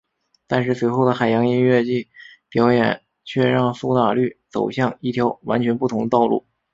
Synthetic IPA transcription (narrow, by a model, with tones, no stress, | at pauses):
t̪a˥˧nʂɻ̩˥˩swe˧˥ɪxo˥˩ʊd̪ə˩xa˨˩ɪjɑ˧˥ŋi˥nɥɛ˥˧t͡ɕi˥˩t̪jɑ˧˥ʊjɛ˨˩˦n | t͡ɕʰɥɛ˥˧ɻɑ˥˧ŋsu˥t̪a˨˩ly˥˩t͡so̰˨˩ʊɕjɑ˥˩ŋi˥˩t̪ʰjɑ˧˥ʊwa̰˧˥nt͡ɕʰɥɛ˧˥npu˥˩t̪ʰʊ˧˥ŋd̪ə˧t̪ɑ˥˧ʊlṵ˥˩